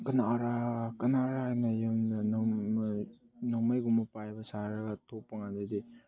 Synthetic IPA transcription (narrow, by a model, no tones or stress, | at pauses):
kɐnaɾakɐnaɾanajamna | naŋmajɡumɐpajbɐsaɾɐɡatʰopːɐŋandadi